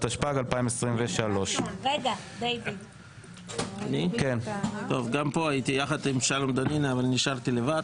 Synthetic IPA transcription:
t̪aʃpaɡalpaimesʁimveʃalo̞ʃʁeɡadejbi | anikent̪o̞vɡampo̞ait̪ijaχad̪imʃalomd̪aninaːvalniʃaʁt̪ilevad̪

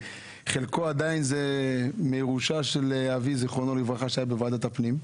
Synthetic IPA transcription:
χelkoad̪ainzemeʁuʃaʃeleavizeχonolivʁaχaʃajabevad̪at̪apnim

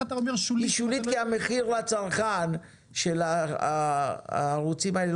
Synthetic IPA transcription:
t̪aomeʃuiʃulit̪kiameχiʁlat͡saʁχan | ʃela | a̰ːʁut͡simaele

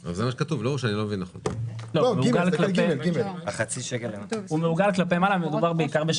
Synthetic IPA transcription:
alzemaʃekatuvlouʃeanilomevinːaχo̰nlolomeuɡɡalklaeɡimelaχat͡siʃekelemumeuɡalklapejmalamed̪ubaʁbeikaʁbeʃ

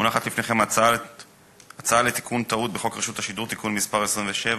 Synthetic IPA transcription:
unaχat̪lifne̞χemaa | at͡saalet̪i̥kʰunt̪aut̪̚beχo̞kʁeʃut̪haʃid̪uʁt̪ikunmispaʁesʁimveʃe̞v

